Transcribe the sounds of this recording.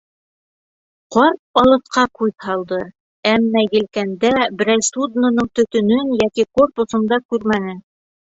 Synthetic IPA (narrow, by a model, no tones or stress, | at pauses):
qɒɾp̚ɒlˠɤ̆θqɑqujðhɑlˠd̪ɤ | æmːæjɘ̆lkænd̪æbɘ̆ɾæjsud̪nŏnɤɴt̪ɵ̆t̪ɵ̆nɵnjækiko̞rpŭsŏnd̪ɑkʉɾmænɘ